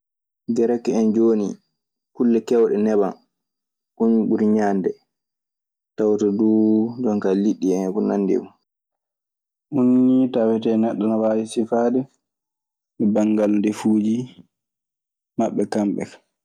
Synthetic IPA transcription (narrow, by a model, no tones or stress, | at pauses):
ɡɛɾɛkːɛɛnd͡ʒoːnḭ | kulːɛkɛwɗɛnɛba̰n | ʔunɓuɾiɲaːndɛ | tawtaduːdɔŋkaliɗːiɛnkunanːdḭbu | ʔunːitawɛtɛnɛɗːanawaːjisifaːdɛ | mɛbaŋɡalndɛfuːd͡ʒi | maɓːɛkamɓɛ̰kḁ